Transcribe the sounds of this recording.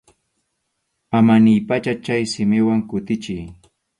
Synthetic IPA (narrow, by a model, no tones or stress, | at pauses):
amanɪjpat͡ʃat͡ʃajsɪmɪwaŋkʊt̪ɪt͡ʃɪj